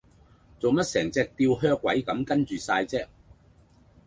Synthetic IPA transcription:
t͡so˨wmɐ˥t̚sɛː˨˩ŋt͡sɛː˧˥k̚t̪iː˧wɦœː˥kʷːwɐ˨˥jkɐ˨˥mkɐ˥nt͡ʃyː˨saː˧jt͡sɛː˥k̚

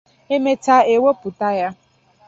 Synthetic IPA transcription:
e˦me˦ta˦e˨wo˦pʊ˨ta˦ja˦

